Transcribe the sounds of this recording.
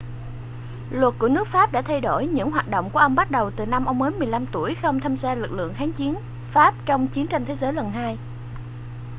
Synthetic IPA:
lwə˨˩t̚ku˧˩ənɨ˦˥ək̚faː˦˥p̚ɗa̰ː˧˥t̪ʰa˧jɗo˧˩jɲɨ̰˧˥ŋɦwaː˨˩t̚ɗo̰˧˨wŋ͡mku˧˩əʔə˧wŋ͡mɓa˦˥t̚ɗə˨˩wt̪ɨ˨˩na˧mʔə˧wŋ͡mməː˨˦nmɨ˨˩əjla˧mt̪u˧˩əjxə˧wŋ͡mt̪ʰə˧msaː˧lɨ˨˩k̚lɨ̰˧˨əŋxaː˨˦ŋt͡ɕi˨˦ən | faː˦˥p̚t͡ɕɔ˧wŋ͡mt͡ɕi˨˦ənt͡ɕa˧nt̪ʰe˨˦zəː˨˦jlə˨˩nɦaː˧j

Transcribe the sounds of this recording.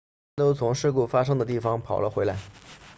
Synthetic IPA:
t̪o˥ʊt͡sʰʊ˧˥ŋʂɻ̩˥˧ku˥˩fa˥ʂ̬ɤ˥ŋd̪ə˨t̪̬i˥˩fɑ˩ŋpʰɑ˨˩ʊlə˦xwe˧˥ɪla˧˥ɪ

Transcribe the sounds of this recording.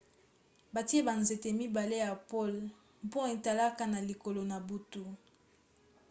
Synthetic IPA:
ba˨ti˦e˦ba˨nze˨te˨mi˦ba˨le˦ja˨po˦l | po˦e˨ta˨la˦ka˦na˨li˨ko˨lo˨na˨bu˨tu˦

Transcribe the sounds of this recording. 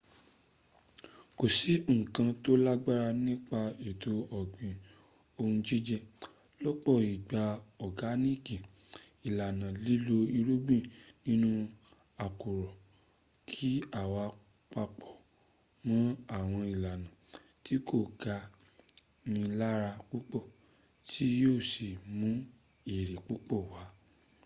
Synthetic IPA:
ko˨si˨˦ŋ̩̃˨kã˧to˦la˦ɡ͡ba˦ɾa˧nĩ˦k͡pa˧e˨tʰo˧ɔ˨ɡ͡bĩ˨ | o˧hũ˧d͡ʒi˦d͡ʒɛ˧ | lɔ˦k͡pɔ˦˨i˨ɡ͡ba˧ɔ˨ɡa˨˦nĩ˦ki˨i˨la˨nã˨li˦lo˧i˧ɾo˦ɡ͡bĩ˦˨nĩ˦nũ˧ | a˨ko˨ɾɔ˨ | kʰi˦a˨wa˨˧ | k͡pa˧k͡pɔ˨ | mã˨˦a˦˨w̃ɔ̃˧i˨la˨nã˨ | ti˦ko˦˨ɡa˧ | nĩ˧la˦ɾa˧k͡pu˦k͡pɔ˦˨ | tʰi˦joː˦˨si˨mũ˨˦ | e˨ɾe˨k͡pu˦k͡pɔ˦˨wa˨˦

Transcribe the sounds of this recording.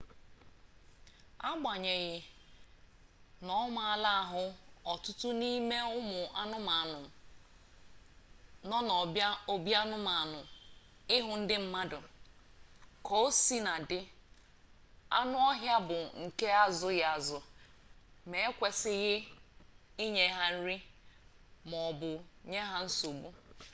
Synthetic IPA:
a˦ɡ͡ba˨ɲe˨ɣɪ˨ | nɔ˦ma˦˨a˨la˦a˨ɦʊ˦ɔ˨tʊ˦tʊ˦ni˦me˦ʊ˦mʊ˨a˦nʊ˦ma˨nʊ˨ | nɔ˦nɔ˨a˦o˦bja˦nʊ˦ma˨nʊ˨ | ɪ˦ɦʊ˨n̩˦dɪ˦m̩˦ma˦dʊ˨ | ko˨˦si˦na˨dɪ˦ | a̰˦nʊ˦ɔ˦ɦja˦bʊ˨ŋ̩˨ke˦a˦zʊ˦ɣa˨zʊ˨ | me˨˦e˦kʷe˨sɪ˦ɣɪ˦ | i˦ɲe˨˦ɦa˦n̩˦ɾi˦ | mɔ˨bʊ˨ɲe˦ɦa˦n̩˦so˨ɡ͡bu˦

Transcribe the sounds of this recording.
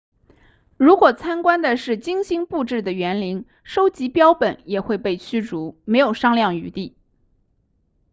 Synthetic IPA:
ɻu˧˥kwɔ˨˩t͡sʰa˥nkwa˥nd̪ə˨ʂɻ̩˥˩t͡ɕi˥ŋɕi˥ŋpu˥˧ʈ͡ʂɻ̩˥˩d̪ə˩ɥɛ˧˥nli˧˥ŋ | ʂo˥ʊt͡ɕi˧˥pjɑ˥ʊpə˨˩˦njɛ˨˩xwe˥˧ɪpe˥˩ɪt͡ɕʰy˥ʈ͡ʂu˧˥me˧˥ɪjo˨˩ʊʂɑ˥ŋljɑ˥˩ŋy˧˥t̪i˥˩

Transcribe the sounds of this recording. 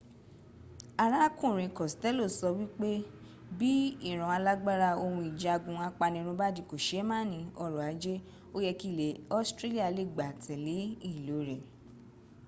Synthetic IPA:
a˨ɾa˦kũ˦˨ɾ̃ĩ˨kɔ˨stɛ˦lo˦˨sɔ˧wi˦k͡pe˦ | bi˦i˦˨ɾ̃ɔ̃˨˦a˧la˦ɡ͡ba˦ɾa˧o˧hũ˧i˨d͡ʒa˧ɡũ˧a˧k͡pa˧nĩ˧ɾ̃ũ˧ba˦dĩ˧˨ko˨ʃe˨˦mãː˦˨nĩ˨˧ɔ˧ɾɔ˨a˨˦d͡ʒe˦ | o˦jɛ˧ki˦˨le˨˦ɔ˦stɾe˦li˦a˧˨le˦˨ɡ͡ba˨tʰɛ˨le˨˦i˦˨lo˨˦ɾɛ˨

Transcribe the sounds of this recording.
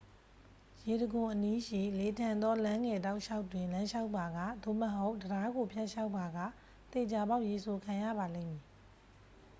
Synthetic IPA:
je˨ɾəɡʊ̃˨ʔəni˦ʃḭ˦˨le˨tʰã˨nd̪ɔ˦lã˦ŋɛ˨ta˦ʊʔʃa˦ʊtwɪ̃˨lã˦ʃa˦ʊpːa˨ɡa̰˦˨d̪o̰˦˨məɦo˦ʊʔdəda˨˦ɡo˨pʰja˦ʔʃa˦ʊpːa˨ɡa̰˦˨ | t̪e˨t͡ɕa˨ba˦ʊʔje˨sʰo˨kʰã˨jä̰˦˨ba˨lḛ̃˦˨mji˨

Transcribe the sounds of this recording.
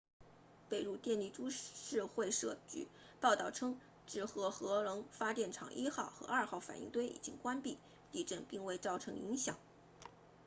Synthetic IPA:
pe˥˩ɪɻu˥˧t̪jɛ˥˧nli˥˩ʈ͡ʂu˥ʂɻ̩˥˧xwe˥˧ɪʂɤ˥˧˩t͡ɕy̰˥˩ | pɑ˥˧ʊt̪ɑ˥˩ʊʈ͡ʂʰɤ˥ŋ | ʈ͡ʂɻ̩˥˩xɤ˧˥xɤ˧˥lɤ˧˥ŋfa˥t̪jɛ˥˩nʈ͡ʂʰɑ̰˨˩ŋʔi˥xɑ˥˩ʊxɤ̰˧˥ɐ˞˥˧xɑ˥˩ʊfa̰˨˩nḭ˥˧ŋt̪we˥ɪʔḭ˨˩t͡ɕi˥ŋkwa˥npi˥˩ | t̪i˥˧ʈ͡ʂə˥˧npi˥˧ŋwe˥˧ɪt͡sɑ˥˩ʊʈ͡ʂʰɤ˧˥ŋḭ˧˥ŋɕjɑ˨˩˦ŋ

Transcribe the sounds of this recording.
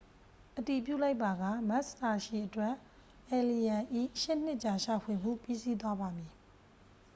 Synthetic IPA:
ʔəti˨pjṵ˦˨la˦ɪpːa˨ɡa˦˨ma˦ʔsta˨ʃi˨ʔətwɛ˦˨ʔ | ʔɛ˨li˨jã˨ʔḭ˦˨ʃɪ˦n̥ɪ˦ʔt͡ɕa˨ʃa˨pʰwe˨m̥ṵ˦˨pi˦si˦t̪̬wa˦ba˨mi˨

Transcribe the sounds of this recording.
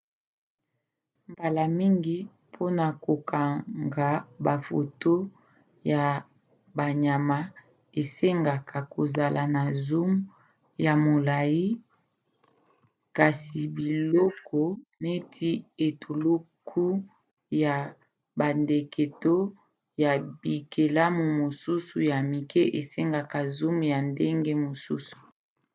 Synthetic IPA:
mba˨la˨mi˦ŋɡi˦ | pʰo˦na˨ko˨ka˨ŋɡa˨ba˨fo̰˨to˦ | ja˨ | ba˨ɲa˨ma˦ | e˨se˦ŋɡa˨kʰa˨ko˨za˨lʔa˨na˨zu˦m | ja˨mo˨la˨ji˦ | ka˨si˨bi˨lɔ˦kʰɔ˦ne˦tʰi˦e˨tʰu˨lu˦ | kʰu˦ | ja˨ | ba˨nde˨kʰe˨to˦ | ja˨bi˨kʰe˨la˦mu˨mo˨su˦su˨ja˨mi˨kʰe˦ʔe˨se˦ŋɡa˨ka˨zu˦mja˨nde˦ŋɡe˦mo˨sṵ˦su̥˨

